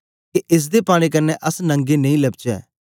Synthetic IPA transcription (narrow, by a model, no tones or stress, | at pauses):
keʔɪs̬d̪epaːɽ̃ek̬ɐnːɛʔəsnɐ̃ŋɡenɐ̃ĩːlɐb̚t͡ʃɛ̰ː